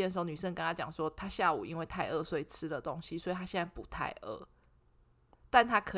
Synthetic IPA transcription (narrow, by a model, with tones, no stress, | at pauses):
jɛ˥˧nʂ̩˧˥o˧˩ny˨˩ʂə˥˧ŋka˥ŋa˥t͡ɕjɑ˨˩ŋʂwɔ˦˥t̪ʰa˥ɕja˥˨ṵ˨˩i˦˥nwe˥˧ɪt̪ʰa˥˧ɪʔə˥˧swe˥˨˩ɪt͡s̩ʰ˦də˨t̪o˦˥ŋɕi˧swɔ˧˥i˨t̪ʰa˥ɕjɛ˥˧na˥˩ɪpu˨˩˦t̪ʰa̰˥˧ɪʔə̰˥˩ | t̪a˥˨nt̪ʰa˦˥kʰɤ˧